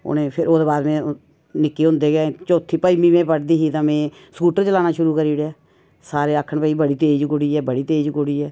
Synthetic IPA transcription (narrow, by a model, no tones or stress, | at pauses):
o̰nẽːpʰɪɾoːd̪eːbaːd̪mɛ̃ː | nɪkːeːɦʊ̃nd̪eːɡẽːt͡ʃoːt̪ʰːiːpəimiːmẽːpəʈd̪iːɦiːt̪ãːmɛ̃ː | sə̥kuːʈəɾt͡ʃəlaːnaːʃʊɾuːkəɾiːɽejaː | saːɾeːəkʰːəɳpɛːiːbəɽiːt̪eːd͡ʒkʊɽiːɛːbəɽiːt̪eːd͡ʒkʊɽiːɛː